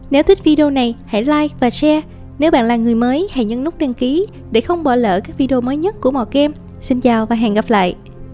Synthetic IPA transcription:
ne˨˦wt̪ʰï˦˥k̟̚vi˧ɗi˧o˧na˨˩jha̰˧˩jlaː˧jvaː˨˩sɛ˧ | ne˨˦wɓa̰ː˧˨nlaː˨˩ŋɨ˨˩əjməː˨˦jha˧˩jɲə̰˧nʊ˦˥k͡p̚ɗe˧nki˨˦ | ɗe˧˩xə˧wŋ͡mɓɔ̰˧˩lə̰ː˧˨kaː˦˥k̚vi˧ɗi˧o˧məː˨˦jɲə˦˥t̚ku˧˩əmɔ̰˧˨kɛ˧m | si˧nt͡ɕaː˨˩wvaː˨˩ɦɛ̰˧˨nɣa˨˩p̚la̰ː˧˨jʔ

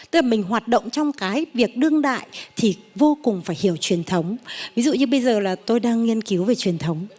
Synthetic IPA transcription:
t̪ɨ˧˦˥klaː˨˩mï˨˩ŋ̟ɦwaː˨˩t̚ɗə̰˧˨wŋ͡mt͡ɕɔ˧wŋ͡mkaː˨˦jvi˨˩ək̚ɗɨ˧əŋɗa̰ː˧˨jt̪ʰi˨˩vo˧kʊ˨˩ŋ͡mfaː˧˩jhi˧˩əwt͡ɕwi˨˩ənt̪ʰə˨˦wŋ͡mvi˨˦zṵ˧˨ɲɨ˧ɓə˧jzəː˨˩laː˨˩t̪o˧jɗaː˧ŋŋi˧ənki˨˦wve˨˩t͡ɕwi˨˩ənt̪ʰə˨˦wŋ͡m

